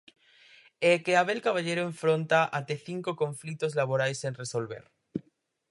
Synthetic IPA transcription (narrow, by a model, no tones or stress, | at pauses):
ekeaβ̞elkaβ̞aʎeɾoẽɱfɾõnt̪aʔat̪eθiŋkokõɱflit̪ozlaβ̞oɾajsenresolβḛɾ